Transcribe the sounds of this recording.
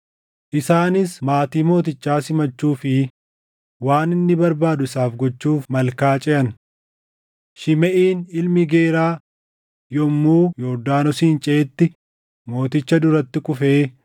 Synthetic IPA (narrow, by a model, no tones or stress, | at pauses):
ʔɪsaːnɪsmaːt̪iːmo̞ːt̪̬ɪt͡ʃːaːsɪmɐt͡ʃːuːfɪ | waːnɪnːɪbɐɾbaːd̪ʊɪsaːfɡɔt͡ʃːuːfmɐlkaːt͡ʃʼɛʔɐn | ʃɪmɛʔiːnɪlmɪɡeːɾaː | jɔmːuːjɔɾd̪aːnɔsiːnt͡ʃʼeːt̪ːɪ | mo̞ːt̪ɪt͡ʃːɐd̪ʊɾɐt̪ːɪkʊfeː